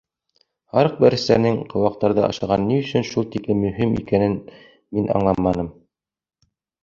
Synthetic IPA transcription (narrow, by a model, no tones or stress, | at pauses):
hɑɾɤq̚bæɾɘ̆st̪æ̰ɾnɘŋqʰŏwɑq̚t̪ɑɾðɤʔɑ̰ʃɑʁɑnːiɵ̆sɵnʃulˠt̪iklɘmɵ̆ɦimḭkænɘn | minʔɑ̰ɴlˠɑmːɑnɤm